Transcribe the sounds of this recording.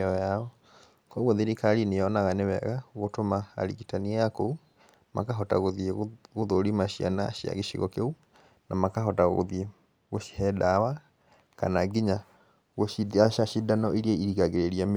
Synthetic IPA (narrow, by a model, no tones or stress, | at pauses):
ɔjaɔ | kɔɣoðeɾikaɾineɔnaɣanewɛ̰ɣaɣotoma̰ːɾḭɣitaniajakou | ma̰kaɦɔta̰ɣoðieɣoðoɾimaɕia̰naʃia̰ɣeʃḭɣɔ̰keu | namakaɦɔtaɣo̰ðie | ɣoʃi̥hɛdawa | ka̰naɡiɲa | ɣoiaaʃidanɔʔiɾiɛiɾiɣaɣeɾeɾiam